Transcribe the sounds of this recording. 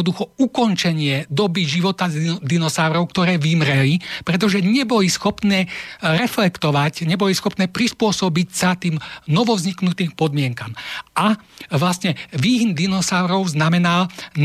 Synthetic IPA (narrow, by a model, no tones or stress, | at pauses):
ɔd̪uxɔukɔnt͡ʃɛɲɪɛd̪ɔbiʒiʋɔt̪ad̪inɔsaʊɾɔʊkt̪ɔɾɛːʋimɾɛlipɾɛt̪̬ɔʒɛɲɛbɔlisxɔpnɛːɾɛflɛkt̪ɔʋacɲɛbɔlisxɔpnɛːpɾispʊɔsɔbicsat̪iːmnɔʋɔvzɲiknut̪iːmpɔd̪mɪɛŋkamʔaʋlasɲɛʋiːɦind̪inɔsaʊɾɔʊznamɛnaln